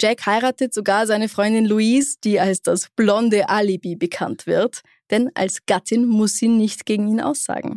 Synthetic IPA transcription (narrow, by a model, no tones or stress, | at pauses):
d͡ʒ̥ɛkhaɪʁaːtətz̥oɡaːɐzaɪnəfʁ̥ɔʏ̃ndɪnluiːsd̥iːalsd̥asb̥lɔndəʔalibibəkʰa̰ntv̥ɪɐt | d̥ɛnʔa̰lsɡ̥atʰɪnmʊsz̥iːnɪçtɡ̥eːɡŋ̩iːnʔa̰ʊsz̥a̰ːɡŋ̩